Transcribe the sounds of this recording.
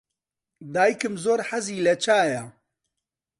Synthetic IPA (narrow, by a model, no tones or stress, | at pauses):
d̪aːjikɨmzoːɾħɐziːlɐt͡ʃʰaːjɐ